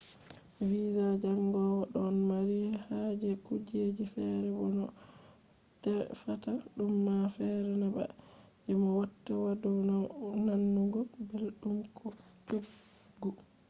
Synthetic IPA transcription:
wizad͡ʒaŋɡɔwaɗɔnmaɾihad͡ʒɛkud͡ʒed͡ʒifɛɾɛbɔnɔ | tɛfataɗumːafɛɾɛnaba̰ | d͡ʒɛmawatːawadɔnanːuɡɔbelɗumkʰɔ | t͡ʃoɡ | u

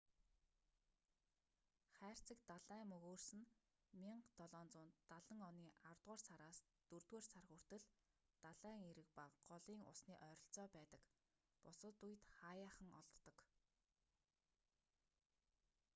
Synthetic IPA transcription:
χæːr̥t͡sɘ̆kt̪aɮæːmɵɣoːrsɘ̆n | miɴɢt̪ɔɮɔːnt͡sʊːnt̪ːaɮə̆ŋɔniːʔart̪ʁʊːrsaɾaːs | t̪ɵrt̪weːrsarɣur̥t̪ɘ̆ɮ | t̪aɮæːŋeɾɘ̆k̚paɢɔɮiːŋʊ̰sniːʔœːɾɞ̆ɬt͡sɔːpæːt̪ə̆k | pʊsə̆t̪uj̆t̪χaːjaːχə̆ŋɔ̰ɮt̪ːɞ̆k

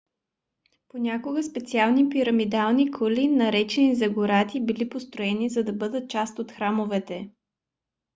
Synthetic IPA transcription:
ponʲakoɡəspɛt̪sialˠnipiɾəmid̪alˠnikʰolinɐɾɛt͡ʃɛnizɐɡʊɾat̪ibilipost̪ɾʊɛnizɐd̪ɐbɤd̪ət̪̚t͡ʃast̪ot̪xɾamovɛt̪ɛ

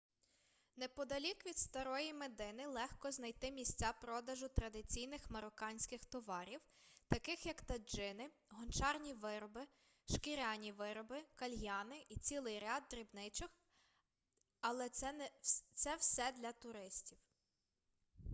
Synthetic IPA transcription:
nɛpɔd̪ɐlʲikʋʲid̪st̪ɐɾɔjimed̪ɪnɪlˠɛxkɔznɐjt̪ɪmʲisʲt͡sʲapɾɔd̪ɐʒʊt̪ɾɐd̪ɪt͡sʲijnɪxmɐɾɔkɑnʲsʲkɪxt̪ɔʋɑɾʲiwt̪ɐkɪxjɐkt̪ɐd͡ʒɪnɪ | ɦɔnt͡ʃɑrnʲiʋɪɾɔbɪ | ʃkɪɾʲɑnʲiʋɪɾɔbɪkɐlʲɦjɑnɪʔit͡sʲilˠɪjɾʲɑd̪̚ːɾʲibnɪt͡ʃɔx | ɐlˠɛ | t̪sɛwsɛd̪lʲɐt̪ʊɾɪsʲtʲiw

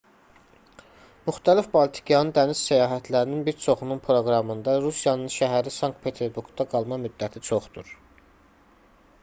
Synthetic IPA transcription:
myxt̪ʰælifbolt̪ʰi̥kʰjɑnɯd̪ænissæjɑːɦæt̪ʰlæɾininbiɾt͡ʃʰo̞χununpʰɾo̞ɡɾɑmɯnd̪ɑɾusijɑnɯnʃæɦæɾisɑŋk̚t̪pʰe̞t̪ʰe̞ɾbuɾɡd̪ɑɡɑlˠmɑmyd̪ːæt̪ʰit͡ʃʰo̞χd̪uɾ

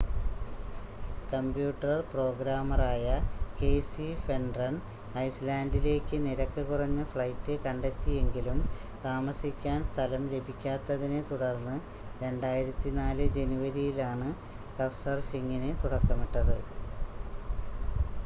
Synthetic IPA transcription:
kɐmbjuːʈːɐrpro̞ːɡɾaːmɐraːjɐke̞ːsife̞ɳɖrɐɳ | ɐjslaːndile̞ːkːɨniɾɐkːɨkurɐɲːɐfɭɐjtːɨkɐɳɖet̪ːie̞ŋɡilumt̪aːmɐsikʲːaːnst̪ʰɐlɐmle̞bʱikʲːaːt̪ːɐðinet̪uɽɐrnːɨ | ɾe̞ɳɖaːjiɾɐt̪ːinaːlɨd͡ʑe̞nuʋɐɾijilaːɳɨ | kɐfsɐrfiŋːinet̪uɽɐkːɐmiʈːɐðɨ

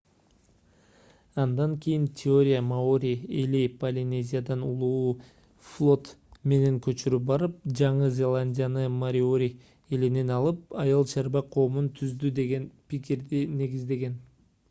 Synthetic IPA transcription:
ɑnd̪ɑŋkʰʲijintʲʰɪo̞ɾʲijamaoɾʲielipɐlʲinʲe̞zʲijad̪ɑnulˠuu | flˠo̞t̪me̞ne̞ŋkʰɵ̞t͡ʃyɾyp̚bɑɾɯp̚d͡ʒɑɴɯzʲe̞lˠanʲdʲijanɯmaɾʲɪoɾʲi | eline̞nɑlˠɯp̚ɑjɑlˠt͡ʃʰɑɾbɑqʰo̞ːmunt̪ʰyzd̪yd̪e̞ɡe̞npikʲiɾd̪ine̞ɡizd̪e̞ɡe̞n

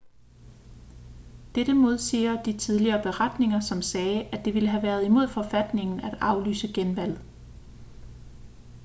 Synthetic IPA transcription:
d̥ed̥əmo̝ð̞ˠsḭːɐd̥it͡sʰið̞ˠliɐːb̥e̝ʁad̥ne̝ŋɐsɒ̽msɛːʔæd̥e̝ʋe̝ləɦæʋæɐð̞ˠimo̝ð̞̰ˠfɒ̽fæd̥ne̝ŋn̩æd̥ɑ̈ʊly̰ːsəɡ̥enʋæl̰

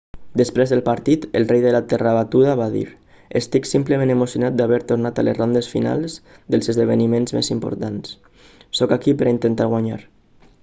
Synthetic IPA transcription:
d̪əspɾezðəlˠpaɾt̪it̪əlˠrejðəlat̪ɛraβat̪uðaβaðḭɾ | əst̪iksimpləmẽnemusjunat̪̚d̪aβɛɾt̪oɾnat̪a̰lezrond̪əsfḭna̰lˠz | d̪əlˠzəzðəβ̞ənimenzmḛzimpo̰ɾt̪ans | sɔkakipəɾint̪ənt̪aɾɣwaɲa̰ɾ

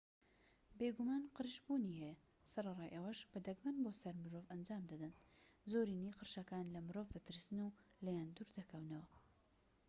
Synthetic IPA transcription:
beɡumaːnqɨɾʃbuːnihe | sɐɾɐrˤɑːjʔɐwɐʃbɐd̪ɐɡmɨnboːsɐɾmɨɾoːvɐnd͡ʒaːmd̪ɐd̪ɐnzoːɾiːniːqɨɾʃɐkaːnlɐmɨɾoːvd̪ɐt̪ɨɾsɨnulɐjaːnd̪uɾd̪ɐkʰɐwnɐwɐ

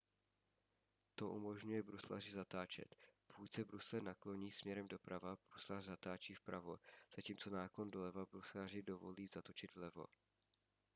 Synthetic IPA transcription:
t̪o̞ʔṵmo̞ʒɲujɛbɾusla̰rɪzat̪aːt͡ʃɛ̰t̪pokucsɛbɾuslɛnaklo̞ɲiːsmɲɛɾɛmdo̞pɾavab̥ɾuslarzat̪aːt͡ʃiːfpɾavo̞̰z̥aciːmt͡so̞naːko̞ndo̞lɛvabɾuslar̝ɪdo̞vo̞̰liːzat̪o̞t͡ʃɪd̪vlɛvo̞̰

